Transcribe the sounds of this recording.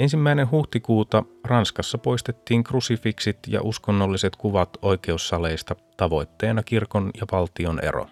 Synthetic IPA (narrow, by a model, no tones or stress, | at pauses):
e̞nsimːæinenɦuht̪ikuːt̪ɑrɑnskɑsːɑpo̞jst̪et̪ːiːŋkrusifiksit̪jɑ̰ʔuskonːolːise̞t̪kuʋɑt̪o̞jk̟e̞usːɑle̞jst̪ɑt̪ɑʋo̞jt̪ːe̞ːnɑkirko̞njɑʋɑlt̪io̞nʔḛɾo̰